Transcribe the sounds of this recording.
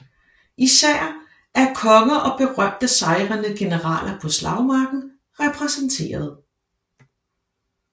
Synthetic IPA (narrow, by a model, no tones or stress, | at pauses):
isæɐ̰ | æɐkʰɒ̽ŋəʔɒ̽b̥e̝ʁɶm̰d̥əsɑ̈ɪʁɐnəɡ̥e̝nəʁɑ̰̈ːlʔɐpʰɒ̽slɑ̈ʊmɑ̈ːɡ̥n̩ | ʁɛpʰʁɛsənt͡sʰe̝̰ːɐð̞̩ˠ